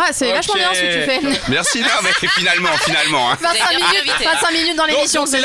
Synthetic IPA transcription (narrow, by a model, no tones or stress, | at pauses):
asɛvaʃmɑ̃bjɛ̃səkət̪yfɛmɛʁsinamɛfinalmɑ̃finalmɑ̃ɛ̃vɛ̃t̪sɛ̃minyt̪vɛ̃t̪sɛ̃minyt̪̚d̪ɑ̃lemisjɔ̃sɛ